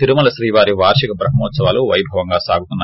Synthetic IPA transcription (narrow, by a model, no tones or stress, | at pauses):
iɾumɐlɐʃɾiːʋaːɾiʋaːɾʂikɐbɾɐɦɐmɔːt̪sɐʋaːloʋɐjbʱɐʋɐŋɡaːsaːɡut̪unːɐ